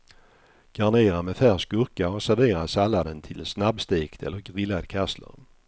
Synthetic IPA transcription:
ɡ̥aɳeːɾamɛfæʁskɵɾkaɔsæɾveːɾasalːad̪ənt̪ʰɪlsnabst̪eːkt̪ʰɛ̰lːəɾɡɾɪlːad̪kʰaslə̰ɾ

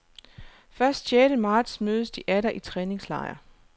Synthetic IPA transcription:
fɶɐsd̥ɕeːɾ̥əmɑ̈ːd̥smøːðˠəsd̥iʔæɾɐʔit͡sʰʁɛːne̝ŋslɑ̈ɪɐ̰

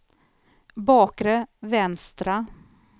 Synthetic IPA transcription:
bɑːkɾəvɛnst̪ɾa

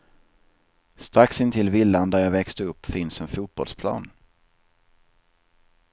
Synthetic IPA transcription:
st̪ɾaksɪnt̪ʰɪlvɪlːand̪æɾjɑːvɛkst̪əɵpːfɪnsɛnfuːt̪̚b̥ɔ̰lspʰlɑ̰ːn

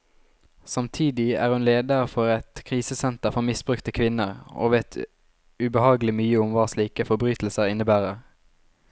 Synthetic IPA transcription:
sɑmt̪ʰiːd̪ɪæ̰ːʁhʉnleːd̪əʁfɔʁɛt̪kʰʁiːsəsɛnt̪əʁfɔmɪsb̥ʁʉkt̪əkʰʋɪnəʁo̰ːʋeːt̪ʰ | ʉbəhɑːɡlɪmyːəʊmʋɑːsliːkəfɔbʁyːt̪l̩səʁɪnəbæːʁəʁ

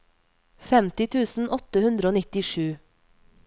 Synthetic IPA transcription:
fɛmt̪ɪt̪ʰʉːsn̩ʔɔt̪əhʉnd̪ɾəoːnɪt̪ɪʃʉː

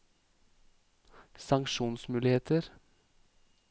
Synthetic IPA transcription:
sɑŋkʃuːnsmʉːlɪheːt̪ʰəɾ

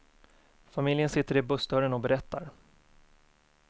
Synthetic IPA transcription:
famɪljənsɪt̪ːəɾɪbɵsd̪œɾənɔbɛɾɛt̪ːa̰ɾ

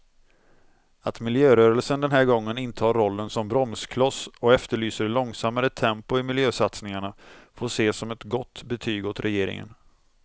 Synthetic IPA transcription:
at̪mɪljøːɾœːɾəlsənd̪ɛnɦæːɾɡɔŋːənɪnt̪əhɑːɾːɔlːənsɔmbɾɔmskʰlɔsɔɛft̪əɭyːsəɾlɔŋsamːaɾət̪ʰːɛmpʊɪmɪljøːsat̪snɪŋaɳafoːʂeːsɔmɛt̪ɡɔt̪ːbɛt̪ʰyːɡɔt̪ɾɛjeːɾɪ̰ŋə̰n

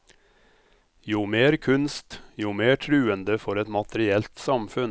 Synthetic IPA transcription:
juːmeːɾkʰʉnst̪juːmeːʈʰɾʉːənd̪əfɔɾɛt̪mɑt̪əɾɪɛlt̪sɑmfʉn

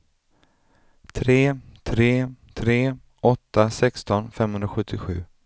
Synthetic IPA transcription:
t̪ʰɾeːt̪ʰɾeːt̪ʰɾeː | ɔt̪ːasɛkst̪ɔnfɛmːhɵnd̪ɾaɧɵt̪ʰːɪɧʉ̟̰ː

